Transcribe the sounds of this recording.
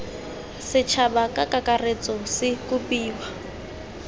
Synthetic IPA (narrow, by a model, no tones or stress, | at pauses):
sɪt͡ʃʰabakʼakakʼaret͡sʼɔsɪkʼupʼiːwa